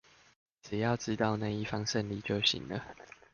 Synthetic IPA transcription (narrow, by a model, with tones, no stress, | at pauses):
ʈ͡ʂ̩˨˩jɑ˥˩ʊʈ͡ʂɻ̩˦t̪ɑ˥˧ʊna˥˧i˥˩fɑ˦ŋʂə˥˨nli˥˨˩t͡ɕjo˥˨ʊɕḭ˨˩ŋlə˦